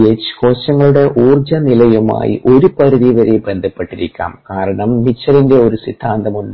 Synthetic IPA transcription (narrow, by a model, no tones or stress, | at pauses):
et͡ɕːɨ̥ko̞ːɕɐŋːɐɭuɽe̞ʔuːrd͡ʑɐnilɐjuma̰ːjḭʔo̞ɾupɐɾiðiʋɐɾebe̞nd̪ʱɐpːe̞ʈːiɾikʲːa̰ːmkaːɾɐɳɐmːit͡ɕːɐɾinde̞o̞ɾusid̪ʰʱːaːnd̪ɐmunɖ